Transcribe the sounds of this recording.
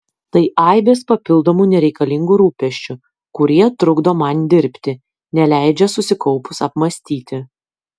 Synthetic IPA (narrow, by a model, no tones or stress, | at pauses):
t̪ɐɪʔɑˑɪbʲeːspɐpʲɪlˠd̪oːmuːnʲɛɾʲɛɪkɐlʲɪŋɡuːɾuːpʲɛʃʲt͡ʃʲʊ | kʊɾʲiɛt̪ɾʊɡd̪oːmɐnd̪ʲɪɾʲpʲt̪ʲɪ | nʲɛlʲæɪd͡ʒʲɛsʊsʲɪkɒʊpʊsɐpmɐsʲt̪ʲiːt̪ʲɪ